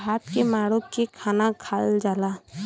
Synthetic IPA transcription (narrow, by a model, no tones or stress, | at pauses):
ɦaːt̪kemaːɽokekʰaːnakʰald͡ʒaːla